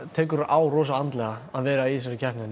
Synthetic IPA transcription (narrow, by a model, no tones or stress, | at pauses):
t̪ʰɛːkʏɾʔaːwrɔːs̬aant̪lɛɣaaðvɛːɾaiːs̬ɾalcʰɛhpnɪn